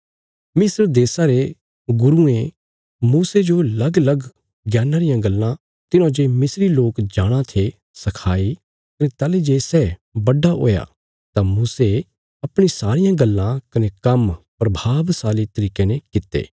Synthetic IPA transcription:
mɪsəɾd̪eːsaɾe | ɡʊɾuẽ | muːsed͡ʒolɐɡlɐɡ | ɡjaːnaɾɪjãɡɐlːã | t̪ɪnõd͡ʒemɪsɾiloːkd͡ʒaːɽ̃ãt̪ʰe | sɐkʰaːi | kɐnet̪aːled͡ʒeːsɛbɐɖaʔo̰ːja̰ | t̪amuːse | ɐpɽ̃isaːɾɪjãɡɐlːãkɐnekɐmpɾɐbʱaːʋsaːlet̪ɐɾiːkenekɪt̪ːḛː

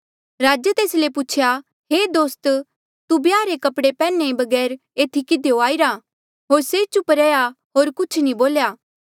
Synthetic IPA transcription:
ɾaːd͡ʒət̪eːslepʊt͡ʃʰja | ɦeːd̪oːst̪ | t̪ubjaːɾekɐpɽepɛːnːẽbɐɡɛːɾ | eːt̪ʰikɪd̪ʱejoaːiɾa | ɦoːɾset͡ʃʊpɾɛːja | ɦoːɾkʊt͡ʃʰnĩboːljaː

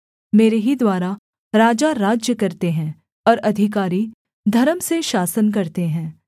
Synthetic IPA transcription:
meːɾeɦid̪waːɾa | ɾaːd͡ʒaɾaːd͡ʒjəkɐɾt̪eɦɛ̃ | ɔːɾɐd̪ʱɪkaːɾi | d̪ʱɐɾəmseʃaːsənk̬ɐɾt̪eɦɛ̃ː

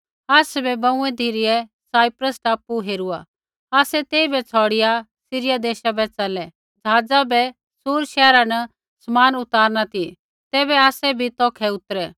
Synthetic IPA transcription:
aːsɛbɛbɐ̃ʊ̃ɛd̪ʱiɾɪɛsaːipɾəsʈaːpuɦeːɾua | aːsɛt̪eːibɛt͡sʰɔːɽɪja | sɪɾɪjad̪eːʃabɛt͡sɐlɛ | d͡zʱaːd͡zabɛ | suːɾʃɛːɾanɐ | smaːnʊt̪aːɾnat̪i | t̪ɛːβɛaːsɛbʱit̪ɔːkʰɛʊt̪əɾɛ

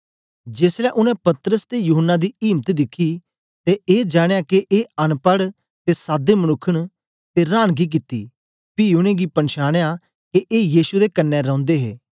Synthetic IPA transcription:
d͡ʒeːslɛːʔʊnɛ̃pɐt̪ɾəst̪ejʊɦənːad̪iiːmt̪d̪ɪkʰi | t̪eʔeːd͡ʒaːɽ̃ejaːkeʔeːɐnpəɽ | t̪esaːd̪emənʊkʰːəɽ̃ | t̪eɾaːɽ̃ɡik̬ɪt̪ːiː | piːʊɽ̃ẽːɡipənʃaːɽ̃ja | keʔeːjiːsud̪ekənːɛɾɔ̃ʊ̃nd̪eːɦḛː

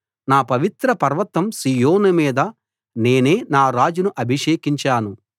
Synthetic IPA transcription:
naːpɐʋit̪ɾɐpɐɾʋɐt̪ːɐmsiːjoːnɐmiːd̪ɐ | ne̞ːne̞ːnaːɾaːd͡ʒunuʔɐbʱiʂeːkiɲt͡ʃaːnu

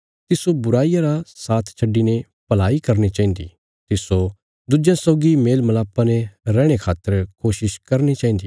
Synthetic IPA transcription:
t̪ɪsobʊɾaːijaɾasaːt̪ʰt͡ʃʰɐɖːine | pɐlaːikɐɾnit͡ʃaːĩnd̪ḭ | t̪ɪso | d̪ʊd͡ʒjãsɔːɡimeːlmɐlaːpːaneɾɛːɽ̃ekʰaːt̪ːəɾkoːʃɪʃkɐɾnit͡ʃaːĩːnd̪iː

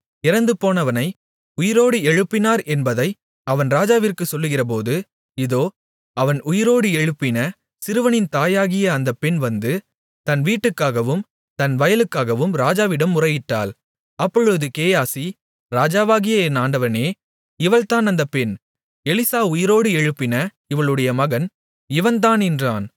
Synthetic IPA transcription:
ɪɾɐnd̪ɯpoːnɐʋɐnɐɪ | ʊjɪɾoːɽɯɛɻɯpːɪnaːɾʔɛnbɐðɐɪ | ɐʋɐnɾaːd͡ʒaːʋɪrkɯsɔlːɯɣɪrɐp̬oːðɯ | ɪðoː | ɐʋɐnʊjɪɾoːɽɯɛɻɯpːɪnɐ | sɪɾɯʋɐnɪnt̪aːjaːɣɪjɐːnd̪ɐpːɛnʋɐnd̪ɯ | t̪ɐnʋiːʈːɯkːaːɣɐʋɯm | t̪ɐnʋɐjɐlɯkːaːɣɐʋɯmɾaːd͡ʒaːʋɪɽɐmːʊrɐjɪʈːa̰ːl | ɐpːɔɻɯɯðɯkeːjaːsi | ɾaːd͡ʒaːʋaːɣɪjɐɛnaːɳɖɐʋɐneː | ɪʋɐlt̪aːnɐnd̪ɐpɛn | ɛlɪsaːʊjɪɾoːɽɯɛɻɯpːɪnɐ | ɪʋɐɭɯɽɐjɐmɐɣɐn | ɪʋɐnt̪aːnɛndra̰ːn

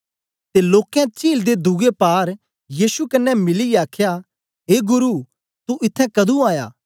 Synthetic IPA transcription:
t̪eloːkɛ̃t͡ʃiːld̪ed̪ʱʊɡepaːɾ | jiːsukɐnːɛmɪliaːkʰja | ɦeːɡʊɾu | t̪uʔɪt̪ʰːɛ̃kɐd̪ũaːja̰ː

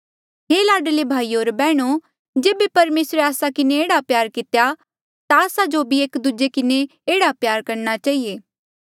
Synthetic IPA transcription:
ɦeːlaːɖlebʱaːioːɾbɛːɽ̃o | d͡ʒeːbepɐɾmeːsɾeaːsakɪneeːɽapjaːɾkɪt̪eja | t̪aːsad͡ʒobʱieːkd̪ud͡ʒekɪne | eːɽapjaːɾkɐɾñat͡ʃaːɦijeː

